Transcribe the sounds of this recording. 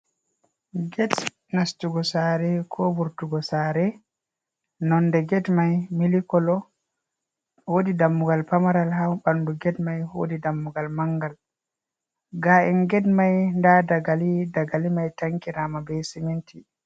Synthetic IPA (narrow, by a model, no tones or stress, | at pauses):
ɡɛt | nastuɡɔsaːɾɛkʰɔbuɾtuɡɔsaɾɛ | nɔndɛɡɛtmajmilikɔlɔ | wodidamːuɡalpamaɾalɦawɓanduɡɛtmajho̰didamːuɡalmaŋɡal | ɡaʔɛnɡɛtmajndadaɡalidaɡalimajtaŋkiɾamabɛsimintʰi